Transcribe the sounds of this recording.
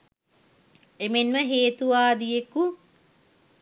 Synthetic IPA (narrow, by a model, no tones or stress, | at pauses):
emenməɦeːt̪uʋaːd̪ijeku